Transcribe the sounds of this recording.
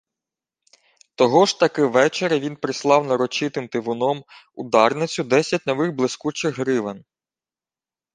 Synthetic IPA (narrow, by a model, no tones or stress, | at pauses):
t̪ɔɦɔʒt̪ɐkɪʋɛt͡ʃeɾɐʋʲinpɾɪslˠɑwnɐɾɔt͡ʃɪt̪ɪmt̪ɪʋʊnɔmʊd̪ɑrnɪt͡sʲʊd̪ɛsʲɐt̚ʲnɔʋɪɣblˠɪskut͡ʃɪɣɦɾɪʋen